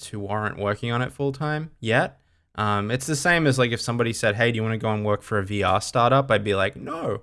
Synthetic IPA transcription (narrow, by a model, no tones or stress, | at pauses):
tʰʉɑɹɨ̃nʔwɜ˞kɪ̃ŋə̃ñɨtfʊlˠtʰãɪ̃mjɛt̚ | ʔʌ̃mɨtsðɨsẽɪ̃mɨzlaɪkɨfsʌ̃mbɑɾisɛd̚ɦeɪdjɨwɑnɨɡoʊə̃nwɜ˞kfə˞ɨviɑ̰stɑɹɾʌpaɪd̚bilaɪk̚noʊ